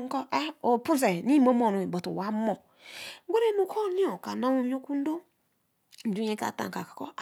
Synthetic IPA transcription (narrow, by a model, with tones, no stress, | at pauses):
ŋ̩˦kɔ˦ʔa˦o˨pu˦s̬e˨ni˦mo˦mo˨nu˨i˨bo˨tṵ˨wa˦mo˨˦ | ɡʷe˦ɾe˦nu˨ko˦ni˦o˨ka˨na˦mu˦o˦ku˦n̩˦do˦ | n̩˨du˦ɲe˦ka̰˨ta̰˨ŋka˨kḁ˨ko˦˨